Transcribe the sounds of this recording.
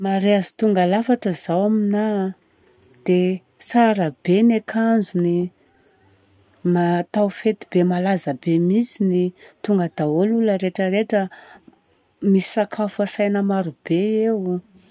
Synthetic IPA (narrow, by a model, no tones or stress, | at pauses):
maɾeazi̥t̪uŋɡalafaʈ͡ʂəzawamina | d̪̥e | saɾəbenekʰand͡zuni | mat̪awfet̪ibemalazəbemisinit̪uŋɡəd̪̥aoluləɾeʈ͡ʂəɾeʈ͡ʂə | misi̥akʰafasajnəmaɾub̥eew